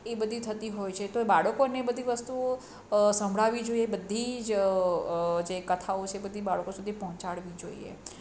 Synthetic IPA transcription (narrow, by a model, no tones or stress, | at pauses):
ebəd̪ʱit̪ʰət̪iɦojt͡ʃʰet̪oebaɭkonebəd̪ʱiʋəst̪uo | səmbʱɭaʋid͡ʒoiebəd̪ʱːid͡ʒ | d͡ʒekət̪ʰaot͡ʃʰeːbəd̪ʱibaɭəkosud̪ʱipɔɦɔ̃t͡ʃaɽʋid͡ʒoḭḛ